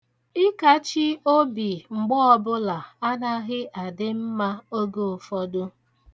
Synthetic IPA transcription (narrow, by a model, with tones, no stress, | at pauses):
ɪ˦ka˦t͡ʃi˦o˦bi˨ŋ͡m̩˨ɡ͡bɔ˦ɔ˨bʊ˦la˨a˦na˦ɣɪ˦ʔa˨dɪ˦m̩˦ma˦o˦ɡo˨o˨fɔ˦dʊ˦